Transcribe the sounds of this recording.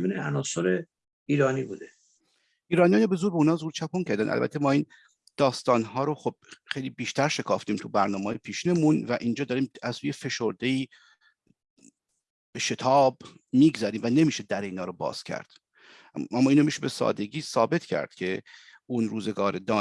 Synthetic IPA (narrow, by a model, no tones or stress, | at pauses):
bineænɒːsoɾe | iːɾɒːnibud̪e | iːɾɒːnijɑːnobe̞zuːɾbeuːnhɒːzuːɾt͡ʃʰæpʰoncʰæɾd̪ænʔæ̰lbæ̰t̪ʰe̞mɒːiːn | d̪̥ɒːst̪ɒːnɦɒːɾoxob̥̚xejlibiːʃt̪æɾʃe̞kʰɒ̰ːft̪iːmt̪ʰubæɾnɒːmeːjepʰiːʃiːnemunvæʔiːnd͡ʒɒːd̪ɒːɾiːmæzːuːjefe̞ʃoɾd̪e̞iː | b̥eʃet̪ʰɒːb | miːɡzæɾiːmvæne̞miːʃed̪æɾeiːnɒːɾobɒ̰ːz̥cʰæ̰ɾd̪̥ | æmːɒːiːnomiʃebe̞sɒ̰ːd̪e̞ɟiːsɒːbe̞t̪ʰcʰæ̰ɾd̪̥cʰe | unɾuːzeɡɒːɾed̪ɒː